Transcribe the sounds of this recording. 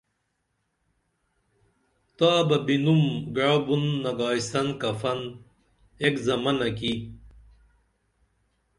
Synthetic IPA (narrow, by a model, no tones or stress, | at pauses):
t̪aːbɐbinumɡaːbunːɐɡaːjsɐnkɐfɐn | ekzɐmɐnɐk̬i